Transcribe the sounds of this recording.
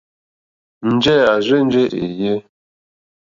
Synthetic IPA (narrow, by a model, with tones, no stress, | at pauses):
n̩˦d͡ʒɛ˦˨a˨zʷe˦n̩˦d͡ʒe˦ʔḛ˨je˦